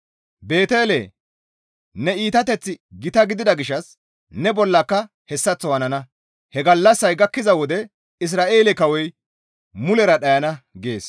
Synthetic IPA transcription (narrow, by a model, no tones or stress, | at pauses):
be̞ːt̪eːlḛ | nɛiːt̪ɐt̪ɛt͡sːɪɡɪt̪ɐɡɪd̪ɪd̪ɐɡɪʃːɐs | nɛbɔlːɐkːɐ | hɛsːɐt͡sːɔwɐnɐnɐ | hɛɡɐlːɐsːɐjɡɐkːɪzɐwɔd̪ɛ | ɪs̬ɾaːʔe̞ːlɛkɐwɔj | mʊlɛɾɐɗɐjɐnɐɡe̞̰ːs